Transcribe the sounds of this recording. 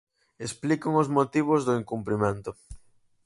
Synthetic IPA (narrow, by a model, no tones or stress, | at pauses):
esplikoŋʊzmot̪iβ̞ʊzðʊiŋkumpɾimẽnt̪ʊ